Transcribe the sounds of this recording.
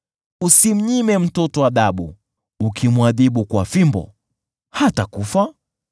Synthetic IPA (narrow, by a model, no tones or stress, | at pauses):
usim̩ɲimɛm̩tɔtɔwaɗaɓṵː | kʰimwaðiɓukwafimbɔ̰ | hatakufa